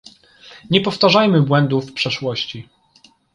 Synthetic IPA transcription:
ɲɛpɔft̪aʐajmɘbwɛnd̪ufpʂɛʂwɔɕt͡ɕi

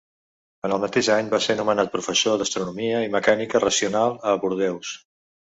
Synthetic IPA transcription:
ənəlˠmət̪eʒaɲbasenumənat̪̚pɾufəsoðəst̪ɾunumiəiməkanikərəsiunalˠəβuɾðɛws

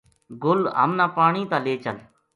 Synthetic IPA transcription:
ɡʊlɦə̰mnãːpaːɳĩːt̪ãːleːt͡ʃəl

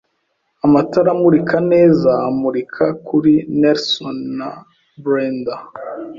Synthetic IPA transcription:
amataɾamuɾikʰane̞ːzaːmuɾikʰakuɾineɾsonːa | bɾenda

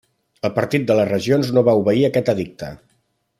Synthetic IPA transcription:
əlˠpəɾt̪it̪̚d̪ələzrəʒionznoβauβəiəkɛt̪əðik̚t̪ə̰

